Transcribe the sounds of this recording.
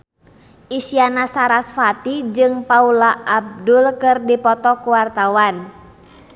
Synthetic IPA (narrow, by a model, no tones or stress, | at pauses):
ʔisianasaɾasfat̪id͡ʒɨŋpaulaʔːb̚dulkɨrdipɔt̪ɔkuwart̪awan